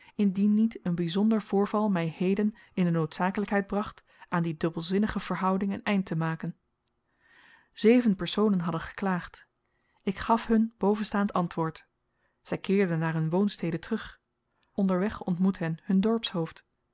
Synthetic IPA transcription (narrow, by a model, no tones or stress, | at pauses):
ɪndinːitənbizɔndəɹv̥ʊːɹvɑlˠmɛjhejdən | ɪndənowtsaːkələkɦɛjd̚brɑχt | aːndidɵbəlˠzɪnəχəv̥əɹɦʌwdɪŋənɛjntəmaːkən | z̥ejvənpɛɹsownənɦɑdənχə̥klaːχt | ɪkχɑfɦɵnb̥owvənstaːntɑntʋʊːɹt | z̥ɛjkɪːɹdənːaːɹɦɵnʋownstejdətrɵχ | ʔɔndəɹʋɛχɔntmutɦɛnɦɵndɔɹpsɦowft